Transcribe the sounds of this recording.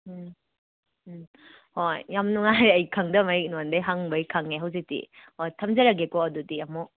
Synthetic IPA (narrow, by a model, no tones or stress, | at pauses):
hojːamnuŋajɾɐjkʰaŋdɐmɐik̚nɔndɐjɦaŋbɐjkʰaŋeɦawzik̚tḭhojtʰɐmzɐɾɐɡekɔɐdudijamɔ